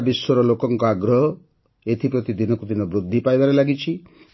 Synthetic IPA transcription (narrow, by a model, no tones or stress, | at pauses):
biswɔɾɔlokɔŋkɔaɡɾɔɦɔ | et̪ʰipɾɔt̪id̪inɔkud̪inɔbɾud̪ʱːipajbaɾelaɡit͡ʃʰi